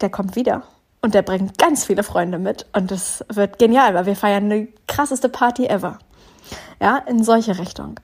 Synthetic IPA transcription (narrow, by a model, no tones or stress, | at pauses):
d̥eːɐkʰɔmtv̥iːdɐ̰ | ʔʊntd̥eːɐbʁɪŋəɡ̥ant͡sfiːləfʁ̥ɔʏndəmɪtʔʊntd̥asv̥ɪɐtɡ̥enjaːlvaɪlviːɐfaɪɐnːəkʁ̥asəstəpʰaɐtiʔɛvɐ | jaːʔɪnzɔlçəʁɪçtʊ̰ŋ